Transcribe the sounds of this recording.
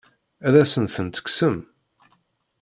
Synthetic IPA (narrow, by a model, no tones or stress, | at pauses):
æðæsənθənt̪ə̥ksəm